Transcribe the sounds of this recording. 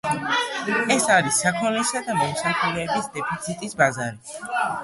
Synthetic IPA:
ɛsaɾisːakʰɔlisad̪amɔmsakʰɔlɛːbisd̪ɛpʰit̪sʰit̪ʼisbazaɾi

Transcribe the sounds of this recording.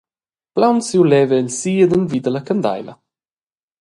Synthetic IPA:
plawnsiwlɛveəlsiːəd̪ənvid̪ələkənd̪a̰jlə̰

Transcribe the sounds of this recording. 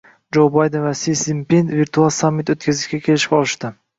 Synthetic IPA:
d͡ʒowbajd̪envasisimpend̪viɾt̪ʰualˠsamːɪt̪ot̪̚kʲʰazɪʃkʲakʲʰe̞lɪʃɪ̥ɒlˠɪʃt̪ɪ

